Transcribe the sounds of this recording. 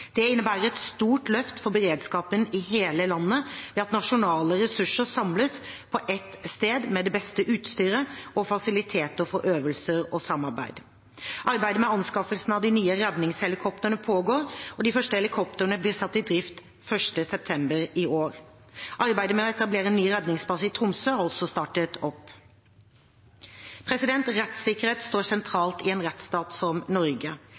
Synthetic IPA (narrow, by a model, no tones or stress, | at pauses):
d̪̥ɛɪnːəbæːɾəɛt̪st̪uːʈlœft̪fɔbəɾeːd̪skɑːpənɪɦeːləlɑnːəʋɛːɑt̪nɑʂʊnɑːləɾɛsʉʂəsɑmləspʰɔʔɛt̪ːst̪eːd̪mɛd̪ɛbɛst̪əʔʉːt̪st̪yːɾəɔfɑsɪlɪt̪ʰeːt̪əfɔɾʔøːʋəlsəɾɔsɑmːɑɾbæ̰ɪd̪ | ʔɑɾbæɪd̪əmɛɑnskɑfəlsnɑʋd̪ɪnyːəɾɛd̪nɪŋshɛlɪkʰɔpt̪əənəpʰoːɡoːɾɔd̪ɪfœʂʈəɛlɪkʰɔp̚t̪əənəblɪːsɑt̪ːɪd̪ɾɪft̪ | fœʂʈəsɛp̚t̪ʰɛmbəɾɪoːɾ | ʔɑɾbæɪd̪əmɛɔɛt̪ɑbleːɾəɛnːyːɾɛd̪nɪŋspɑsəɪt̪ʰɾʊmsøːɑɾɔlsɔst̪ɑːʈət̪ʰɔpː | pʰɾɛsɪd̪ɛnt̪ɾɛt̪sɪkəɾheːt̪st̪oːɾsɛnt̪ʰɾɑːlt̪ɪɛːnɾɛt̪st̪ɑːt̪sɔmnɔɾɡə